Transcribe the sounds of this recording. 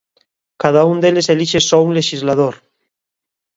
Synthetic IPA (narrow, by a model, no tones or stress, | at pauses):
kað̞aund̪eleseliʃesounleʃizlað̞oɾ